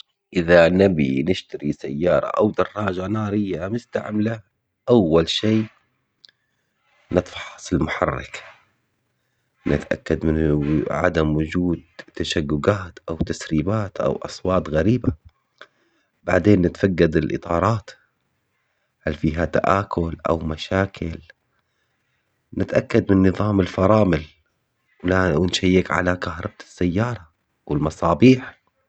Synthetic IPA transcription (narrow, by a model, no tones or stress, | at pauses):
ʔɪðanabinɪʃt̪aɾisajːɑːɾˤɑ̰ʔawd̪ɑrˤːɑːd͡ʒanɑːɾɪjːamɪst̪a̰ʕmla | ʔawːalʃeː | nɨt̪ˤfɑ̥ħɑsˤɪlmʊħɑrːɪ̰k | nʔɪ̰t̪ʔa̰kːad̪mɪnʕa̰d̪amwʊd͡ʒuːd̪̚t̪ːaʃaɡːʊɡaːt̪ʔawt̪asɾiːbaːt̪ʔa̰wʔɑ̰sˤwɑːt̪ɣaɾiːba | ba̰ʕd̪eːnːɪt̪faɡːad̪ɪlʔɨ̰t̪ˤɑːɾˤɑːt̪ | halfiːɦat̪a̰ʔaːkʰʊlʔa̰wmaʃaːkʰɪl | nɪt̪ʔakːad̪mɪnːɨðˤɑːmɪlfɑɾˤɑːmɪl | wlanʃajːɪkʕa̰lakahɾˤɑb̚t̪ɪ̥sːajːɑːɾˤɑ | wɪlmɑsˤɑːbiːħ